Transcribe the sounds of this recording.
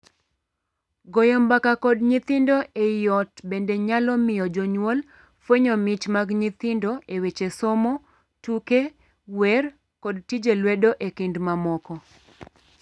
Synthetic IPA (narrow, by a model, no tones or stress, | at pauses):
ɡɔjɔmbakakɔdɲɪt̪ɪndoʔejɔtbendeɲalɔmɪjɔd͡ʒɔɲwol | fwoɲomɪt͡ʃmaɡɲit̪ɪndoʔewet͡ʃesomɔ | tuke | wɛr | kɔdtid͡ʒelwedoʔekɪndmamɔkɔ